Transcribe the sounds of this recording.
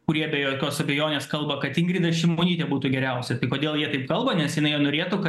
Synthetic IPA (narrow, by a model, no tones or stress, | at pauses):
kʊɾʲiɛbʲɛjoːkʲoːsɐbʲɛjoːnʲeːskɐlˠbɐkɐt̪ɪŋɡɾʲiːd̪ɐsʃʲɪmoːnʲiːt̪ʲɛbuːt̪ʊɡʲɛɾʲɛʊsʲɛt̪ɐɪkoːd̪ʲeːlˠjiɛt̪ɐɪp̚kɐlˠbɐnʲɛsjɪnɐɪjnoːɾʲeːt̪ukɐ